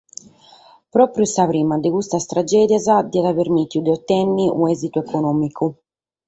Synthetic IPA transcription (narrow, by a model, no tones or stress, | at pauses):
pɾɔːpɾjusavɾiːmad̪ekust̪ast̪ɾad͡ʒɛːd̪jazad̪iad̪aveɾmit̪jud̪eɔt̪ːɛnːiʔṵɛzit̪uɛkʰonɔːmikʰu